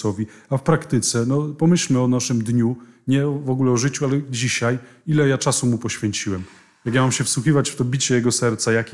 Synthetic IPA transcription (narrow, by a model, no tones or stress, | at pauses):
ɔvʲiafpɾakt̪ɘt̪sɛnɔpɔmɘɕlmɘɔnaʂɘmd̪ɲu | ɲɛɔvɔɡulɛɔʐɘt͡ɕualɛd͡ʑiɕaj | ilɛjat͡ʂasumupɔɕfʲjɛɲt͡ɕiwɛm | jakjamamɕɛfswuxʲivat͡ɕft̪ɔbʲit͡ɕɛjɛɡɔsɛɾt̪sajakʲ